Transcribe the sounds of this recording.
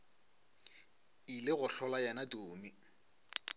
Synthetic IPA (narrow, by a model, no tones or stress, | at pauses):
ilɪɣʊɬɔlajɛnatʼoːmi